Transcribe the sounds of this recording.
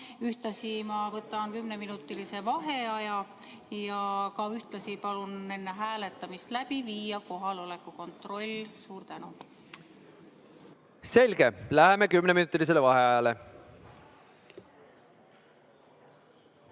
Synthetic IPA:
yht̪lɑsimɑvɤt̪ːˑɑnkymne̞minut̪ːˑilise̞vɑɦe̞ɑjɑ | jɑkɑyht̪lɑsipɑlune̞nːe̞ɦæːle̞t̪ːˑɑmist̪læb̥iviːjɑko̞ɦɑlo̞le̞kːˑuko̞nt̪ro̞lʲːsuːɾt̪ænu | se̞lʲɡ̥e̞læɦemekymneminut̪ːˑilis̬elevɑɦe̞ɑjɑle

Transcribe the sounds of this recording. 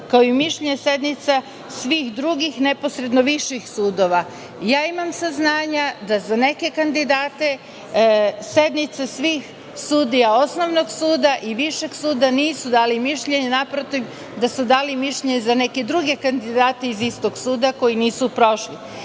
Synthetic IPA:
kaoimiʃʎeɲese̞d̪nit̪sa | sʋiːxd̪ɾuɡixne̞po̞sɾe̞d̪no̞ʋiʃixsuːd̪o̞ʋa | jaːimamsaznaːɲad̪azane̞ke̞kand̪id̪aːt̪e̞ | se̞d̪nit̪sasʋiːx | suːd̪ijao̞sno̞ʋno̞ɡsuːd̪aʔiʋiʃe̞ɡsuːd̪aniːsud̪aːlimiʃʎe̞ɲenapɾot̪iʋ | d̪asud̪aːlimiʃʎeɲezane̞ke̞d̪ɾuɡe̞kand̪id̪aːt̪e̞izist̪o̞ɡsuːd̪ako̞jiniːsupɾo̞ʃli

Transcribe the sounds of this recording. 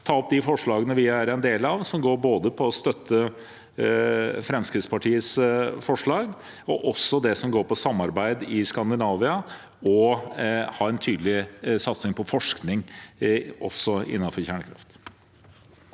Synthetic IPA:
t̪ʰɑːɔp̚d̪ɪfɔʂɭɑːɡənəʋɪæɾɛnd̪eːlɑʋsɔmɡoːɾboːd̪əpʰɔːst̪œt̪ʰːə | fɾɛmskɾɪt̪spɑʈʰiːəsfɔʂɭɑːɡ | ɔʔɔsːɔd̪ɛsɔmɡoːɾpɔsɑmːɑɾbæɪd̪ɪskɑnd̪ɪnɑːʋɪɑ | ɔ | hɑːɛnt̪ʰyːd̪əlɪsɑt̪snɪŋpʰɔfɔʂknɪŋ | ʔɔ̰sɔɪ̰nːɑnfɔɾçæːɳəkʰɾɑ̰ft̪

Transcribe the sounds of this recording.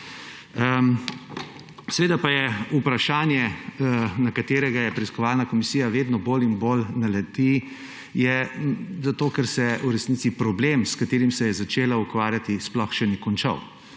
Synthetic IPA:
sɛʋeːd̪apajɛupɾaʃaːnjɛ | nakat̪eːɾɛɡajɛpɾɛiskɔʋaːlnakɔmisiːjaʋeːd̪nɔboːlinbolnalɛd̪i | jɛzat̪oːkɛɾsɛuɾɛsnit̪sipɾɔbleːmskat̪eːɾimsɛjɛzat͡ʃeːlaukʋaːɾjat̪isplɔxʃɛnikɔnt͡ʃa̰w

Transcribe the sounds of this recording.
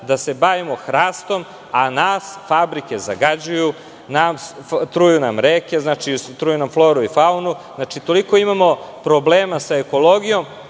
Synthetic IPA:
d̪ase̞baːʋimo̞xɾaːst̪o̞m | anaːsfabɾike̞za̰ɡad͡ʑuju | namst̪ɾujunamɾeke̞znat͡ʃit̪ɾuːjunamflˠo̞ːɾuifaunuznat͡ʃit̪o̞liko̞imamo̞pɾo̞bleːmasae̞ko̞lˠo̞ɡijo̞m

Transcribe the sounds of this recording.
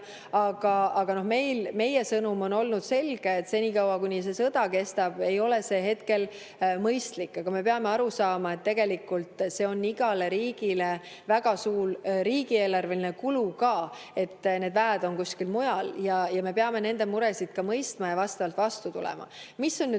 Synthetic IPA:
ɑɡ̥ɑɑɡ̥ɑno̞hme̞jlme̞je̞sɤnumo̞no̞lnud̪̥se̞lɡ̥eːt̪ːse̞nʲiːkɑwɑkunʲis̬e̞sɤd̪̥ɑke̞st̪ɑb̥e̞jo̞le̞se̞ːɦe̞t̪ke̞l | mɤjst̪likːɑɡ̥ɑme̞pe̞ɑme̞ɑɾusɑːmɑe̞t̪ːe̞ɡ̥e̞likːˑult̪ˑse̞o̞nːiɡ̥ɑle̞ɾiːɡile̞ | væɡ̥ɑsuːrriːɡie̞ːlɑrve̞linekulukɑː | e̞t̪ːne̞ːd̪væːd̪̥o̞nkusʲkilmujɑljɑjɑme̞pe̞ɑme̞ne̞nd̪̥e̞muɾe̞sid̪̥kɑmɤjst̪mɑjɑvɑst̪ɑvɑlt̪vɑst̪ut̪ṵlɛ̰mɑ̰misːo̞nːy

